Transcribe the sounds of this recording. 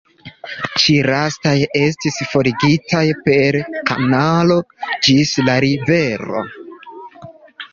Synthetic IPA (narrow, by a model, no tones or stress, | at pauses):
t͡ʃiɾastaje̞stisfo̞ɾiɡitʰajpe̞ɾka̰nalo̞d͡ʒislaɾive̞ɾo̞̰